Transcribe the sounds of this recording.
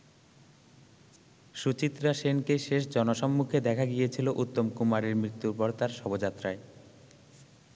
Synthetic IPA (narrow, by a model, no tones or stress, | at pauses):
ʃut͡ɕit̪ːɾaʃenkeʃeʃd͡ʑɔnoʃɔmːukʰed̪ɛkʰaɡijet͡ɕʰiloʔut̪ːomkumaɾeɾmɾit̪ːuɾpɔɾt̪aɾʃɔbod͡ʑat̪ːɾae